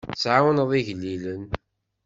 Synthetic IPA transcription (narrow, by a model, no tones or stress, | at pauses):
sʕawnðˤiʝlːilən